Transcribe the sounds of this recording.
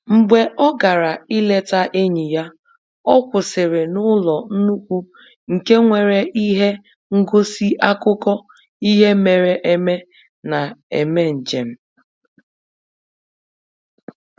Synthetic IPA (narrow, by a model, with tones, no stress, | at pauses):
ŋ͡m̩˨ɡ͡be˨ʔɔ˦ɡa˨ɾa˨i˦le˦ta˦ʔe˦ɲi˨ja˦ | ɔ˦kʷʊ˨sɪ˨ɾɪ˨nʊ˦lɔ˨n̩˦nu˦kʷu˦ | ŋ̩˨ke˦ŋʷe˨ɾe˨ʔi˦ɦe˦ | ŋ̩˦ɡo˦si˦ʔa˦kʊ˦kɔ˦ | i˦ɦe˦me˨ɾe˨ʔe˦me˦ | na˨ḛ˨me˦n̩˨d͡ʒe˨m̩˦